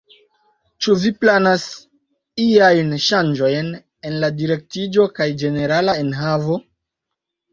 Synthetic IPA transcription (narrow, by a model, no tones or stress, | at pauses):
t͡ʃuviplanas | iajnʃand͡ʒo̞jn | e̞nladiɾe̞k̚tid͡ʒo̞kajd͡ʒe̞ne̞ɾalae̞nɦavo̞